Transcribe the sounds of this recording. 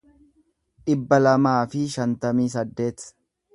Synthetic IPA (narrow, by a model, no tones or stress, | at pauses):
ᶑɪbːɐlɐmaːfɪʃɐnt̪ɐmiːs̬ɐd̪ːe̞ːt̪